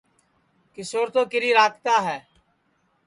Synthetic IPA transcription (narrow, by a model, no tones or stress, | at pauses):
kɪsoːɾt̪õːkɪɾiːɾaːkt̪aːɦɛː